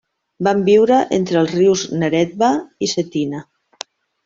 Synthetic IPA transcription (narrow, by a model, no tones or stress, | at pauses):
bambiwɾəʔent̪ɾəlˠzriwznəɾɛt̪̚βaisət̪inə